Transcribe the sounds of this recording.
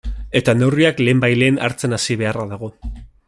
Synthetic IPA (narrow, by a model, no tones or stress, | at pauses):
e̞t̪and̪awriakle̞ːmbajle̞ːna̰ɾt͡se̞nasiβ̞e̞araðaɣ̞o̞